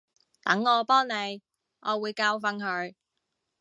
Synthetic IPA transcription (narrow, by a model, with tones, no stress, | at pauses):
t̪ɐ˨˥ŋːɔː˨˧pɔː˥ŋne˨˧j | ʔɔː˨˧wuː˨˧jkaː˧wfɐ˧nɦɵ˨˧ɥ